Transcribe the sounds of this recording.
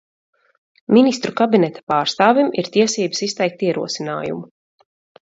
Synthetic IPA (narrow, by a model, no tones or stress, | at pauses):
minist̪ɾukabinɛt̪ḁpaːɾst̪aːvʲimʔḭɾt̪iɛsiːbə̥sist̪ɛjk̚t̪iɛɾuɔsina̰ːjṵmu